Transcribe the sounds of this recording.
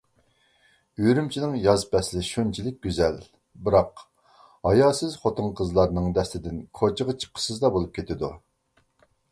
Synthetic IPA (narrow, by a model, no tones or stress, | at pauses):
yɾymt͡ʃʰinɪŋjɑzpʰɛslɪʃont͡ʃʰilɪk̚ʲɡʲyzɛl | bɨɾɑq | hɑjɑːsɪzχot̪ɨŋqʰəzlˠɑɾnɨŋd̪ɛst̪ɪd̪ɪnkʰot͡ʃʰəʁət͡ʃʰə̥p̚qʰə̥sɨzd̪ɑbolˠup̚kʲet̪ʰɪd̪u